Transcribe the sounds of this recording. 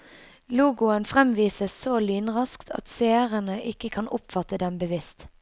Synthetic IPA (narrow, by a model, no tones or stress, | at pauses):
luːɡʊənfʁɛmʋiːsəsoːliːnʁɑskt̪ʰɑ̰t̪seːʁənəʔɪkəkʰɑnʔʊpfɑt̪əd̪ɛmbəʋɪst̪